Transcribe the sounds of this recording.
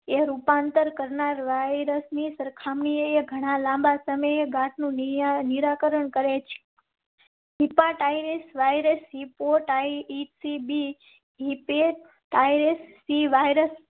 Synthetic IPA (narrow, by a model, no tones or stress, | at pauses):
eɾupãnt̪əɾkəɾnaɾʋajɾəsnisəɾkʰamɳieeɡʱəɽ̃alãmbasəməjeɡãʈʰnũniɾakəɾəɳkəɾet͡ʃʰe̥ | ɦipãʈajɾesʋajɾesipoʈajisibi | ɦipe | ʈajɾesːiʋajɾəs